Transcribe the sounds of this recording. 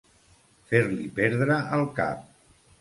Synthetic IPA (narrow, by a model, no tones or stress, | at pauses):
feɾlipɛɾðɾəʔəlˠka̰p̚